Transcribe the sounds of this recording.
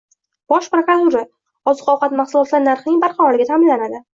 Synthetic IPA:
b̥ɒʃpɾokɾat̪uɾa | ɒzɨqɒwqʰɑt̪maχsʊlɒt̪laɾnaɾχnɪŋbaɾqɑɾɒlɪɡʲat̪ʰamɪnlanad̪ɪ

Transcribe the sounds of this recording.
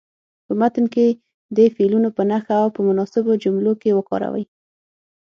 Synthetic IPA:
pəmat̪ənke | d̪əfelunopənaxaːwpəmʊnɑsɪbod͡ʒʊmlokewəkɑ̰ɾa̰wə̰j

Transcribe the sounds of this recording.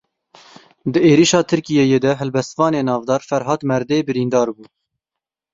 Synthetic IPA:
d̪əeːɾiːʃɑːt̪ʰɨɾkijejeːd̪ɛɦɛlbɛst̪vɑːneːnɑːvd̪ɑːɾfɛɾɦɑːt̪mɛɾd̪eːbɨɾiːnd̪ɑːɾbuː

